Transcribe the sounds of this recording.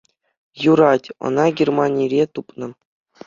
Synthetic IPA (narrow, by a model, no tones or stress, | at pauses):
juɾɑtʲɤ̰̆nɑɡʲermɑnʲiɾʲet̪upnɤ̆